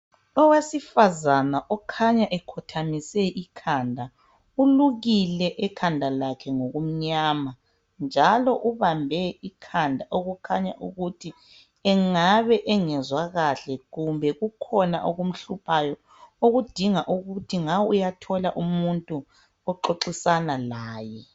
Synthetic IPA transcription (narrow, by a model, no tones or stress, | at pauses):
ɔwesifazanaʔɔkʰaɲaʔɛkʰɔtʰamisɛʔikʰandʱa | uluɣilɛʔɛkʰandʱalakʰɛŋoɣum̩ɲaːma | nd͡ʒʱalɔʔuβambʱɛikʰandʱaʔoɣukʰaɲa̰ʔṵɣutʰi | ɛŋaβɛʔɛŋɛzwaɣaɬɛɣumbʱɛɣukʰɔna̰ʔoɣum̩ɬupʰajɔ | oɣud̥ʱiŋaʔuɣutʰiŋawujatʰɔlaʔumuntʼu | ɔǃoǃisanalaːjɛ